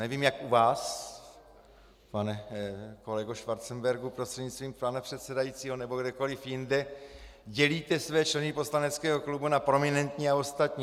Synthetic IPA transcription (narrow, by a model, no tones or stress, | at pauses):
nɛviːmjakuvaːs | panɛkolɛɡoʃvaɾt͡sɛmbɛɾɡupɾost̪r̥ɛd̪ɲit͡st̪viːmpanapr̥ɛt̪sɛdajit͡siːɦonɛbo̞ɡdɛko̞lɪfjɪndɛɟɛliːt̪ɛsvɛːt͡ʃlɛnɪpo̞slanɛt͡skɛːɦoklubunapɾo̞mɪnɛnt̪ɲiːao̞st̪at̪ɲi